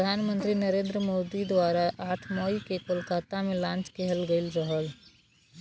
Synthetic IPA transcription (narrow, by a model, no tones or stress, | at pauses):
pɾəd̪ʱanmənt̪ɾinəɾend̪ɾəmod̪id̪ʋaɾaʔaːʈʰmɔikekolkat̪amelãːnt͡ʃkɛɦəlɡəɪlɾəɦəl